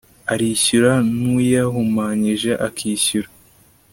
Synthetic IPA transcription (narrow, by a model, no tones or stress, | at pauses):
aɾiːçuɾanujaɦumaːɲiʒe̞ʔakʰiːɕuɾa